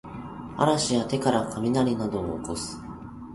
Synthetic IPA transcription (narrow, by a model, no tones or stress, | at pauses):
a̰ɾaɕijat̪e̞kaɾakʰamʲinaɾʲinad̪o̞̰ːkosɨ̥